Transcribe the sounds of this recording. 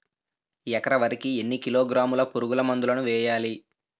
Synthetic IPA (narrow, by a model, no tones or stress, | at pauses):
jɛkɐɾɐʋɐɾikienːikiloːɡɾaːmulɐpuɾuɡulɐmɐnd̪ulɐnuʋɛːjaːli